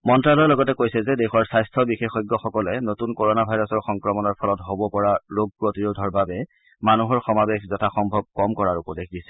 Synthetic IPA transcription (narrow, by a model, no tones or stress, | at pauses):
mɔntɹalɔɛlɔɡɔtɛkojsɛzɛdɛxɔɹsajstʰɔbixexɔjɡːɔxɔkɔlɛnotunkoɹonabʱajɹɔsɔɹxɔŋkɹɔmɔnɔɹpʰɔlɔtɦobɔpɔɹaɹoɡ̚pɹotiɹodʱɔɹbabɛ | manuɦɔɹxɔmabexzɔtʰaxɔmbʱɔb̚kɔmkɔɹaɹupɔdekʰdisɛ̥